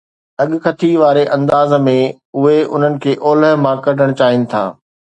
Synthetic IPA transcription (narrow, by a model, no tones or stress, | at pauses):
ɐɠʊkʰɐt̪ʰiʋaːɾeʔɐ̃nd̪aːzmẽ | ʊɦeʊ̰n̤ənɪ̆kʰeːʔoːləɦmãkɐɗʱəɽ̃t͡ɕaːɦɪnɪ̆t̪ʰa̰ː